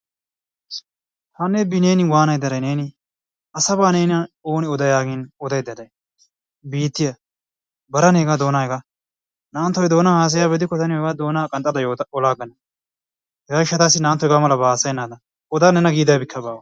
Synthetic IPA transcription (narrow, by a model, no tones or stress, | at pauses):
hanːebɪneːnɪwaːnɐjd̪ːɐd̪ɐjneːnɪ | ɐsɐbaːneːnɐoːnɪɔd̪ɐjaːɡɪnɔd̪ɐjd̪ɐd̪ɐj | biːt̪ːɪjɐ | bɐɾɐnɛɡaːd̪o̞ːnaːɛɡa | naːnt̪ːɔjd̪o̞ːnahaːs̬ɐjaːbɛd̪ɪkːɔt̪ɐnɪɔɡaːd̪oːnakʼɐnt̪ʼɐd̪ɐjoːɔlaːɡɐnɐ | hɛɡaːɡɪʃːɐt̪aːsːɪnaːnt̪ːɔjɡaːmɐlɐbaːsɐjɛnːaːd̪ɐ | ɔd̪aːnɛnɐɡiːd̪aːbɪkʰːɐbaːwɐ